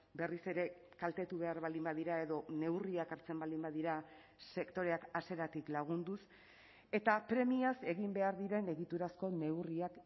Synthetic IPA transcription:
be̞rise̞ɾe̞kalt̪e̞t̪uβe̞aɾβald̪imbaðiɾae̞ðo̞ne̞wriakaɾt͡se̞mbald̪imbaðiɾa | se̞kt̪o̞ɾe̞akase̞ɾat̪iklaɣ̞und̪us | e̞t̪apɾe̞miase̞ɣimbe̞aɾðiɾe̞ne̞ɣit̪uɾasko̞ne̞wriak

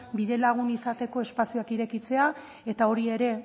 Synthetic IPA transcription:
biðe̞laɣ̞unisat̪e̞ko̞e̞spasioakiɾe̞kit͡se̞a | e̞t̪ao̞ɾie̞ɾe̞

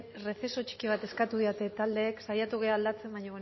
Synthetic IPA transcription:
re̞θe̞so̞t͡ʃi̥kiβ̞at̪e̞skat̪uðiot̪e̞t̪ald̪e̞ːksajat̪uɣ̞e̞aːld̪at͡se̞mbaɲoβe

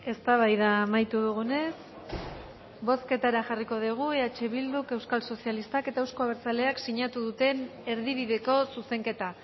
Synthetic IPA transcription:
e̞st̪aβ̞ajðaːmajt̪uðuɣ̞une̞s | bo̞ske̞t̪aɾaxariko̞ð̞iɣ̞ueat͡ʃe̞βild̪uke̞wskalso̞sialist̪ake̞t̪aewsko̞aβeɾt͡sale̞aksiɲat̪uðut̪e̞ne̞ɾðiβ̞iðe̞ko̞suse̞ŋke̞t̪a

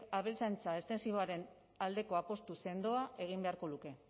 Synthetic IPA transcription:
aβelt͡sajnt͡sae̞st̪e̞nsiβoaɾe̞n | ald̪e̞ko̞apo̞st̪use̞nd̪o̞aʔe̞ɣ̞imbe̞aɾko̞luke̞

